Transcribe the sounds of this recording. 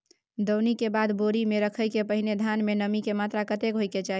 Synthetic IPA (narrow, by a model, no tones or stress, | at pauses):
d̪əwnikebad̪boɾimeɾəkʰəjkepəɦined̪ʱanmenəmikemat̪ɾakət̪ekɦojket͡ʃaɦi